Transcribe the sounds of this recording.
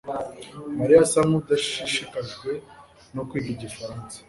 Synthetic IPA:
maɾijasamud̪aʃi̥ʃiʃikaʒɡwe̞ | no̞kwiːɟiɟifaɾaːnsḁ

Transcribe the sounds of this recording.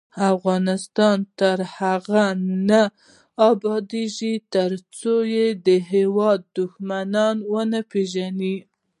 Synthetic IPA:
afɣɑnɪst̪ɑnt̪əɾhaɣana | ɑbɑd̪eʒit̪əɾt͡sojed̪əɦewɑd̪ːʊxmanɑnwənapeʒani

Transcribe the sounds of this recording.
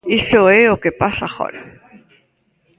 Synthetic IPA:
isoeokepasaχo̰l

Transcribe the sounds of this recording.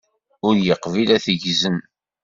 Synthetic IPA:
ʊɾjəqvilæθəʝzən

